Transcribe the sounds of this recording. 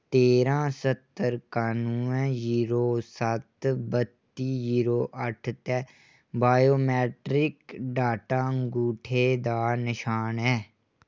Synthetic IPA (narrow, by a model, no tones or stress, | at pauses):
t̪eːɾãːsət̪ːəɾkaːnuːɛ̃ziːɾoːsət̪bət̪ːiːziːɾoːʔəʈʰt̪ɛː | baːjoːmɛːʈɾɪkɖaːʈãːɡuːʈʰeːd̪aːnɪʃaːnɛː